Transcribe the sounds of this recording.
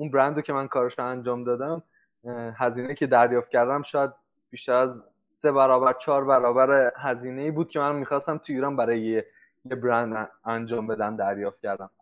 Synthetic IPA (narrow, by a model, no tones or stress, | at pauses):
ʔunbɾænd̪ocʰe̞mænkʰɒːɾeʃoænd͡ʒɒːmd̪ɒːd̪æm | ɦæziːnejiːcʰe̞d̪æɾjɒːft̪̚cʰæɾd̪æmʃɒːjæd̪̚ | b̥iːʃt̪æɾæz | se̞βæɾɒːbæɾt͡ʃʰɒːɾbæɾɒːbæɾehæziːne̞iːbuːd̪̚cʰe̞mænmiːxɒːst̪æmt̪ʰuiːɾɒːnbæɾɒːje | jebɾænd̪ænd͡ʒɒːmbe̞d̪æmd̪æɾjɒːft̪̚cʰæɾd̪æm